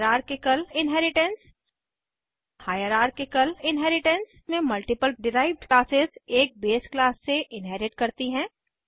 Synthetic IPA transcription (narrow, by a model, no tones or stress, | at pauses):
ɾaːɾkekɐlɪnɦɛːɾɪʈɛ̃ns | haːjəɾaːɾkekɐlɪ̃nɦɛːɾɪʈə̃ns | mẽmɐlʈɪpəlɖɪɾaːɪʋɖklaːsɪzeːk̚beːsklaːsːeʔɪnɦɛːɾɪʈkɐɾt̪iɦɛ̃ː